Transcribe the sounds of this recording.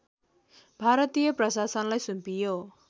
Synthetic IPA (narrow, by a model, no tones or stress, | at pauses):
bʱaɾʌt̪ijʌprʌsasʌnlajsumpijo